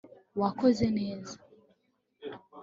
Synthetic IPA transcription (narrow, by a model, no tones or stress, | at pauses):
wakoze̞ne̞ːza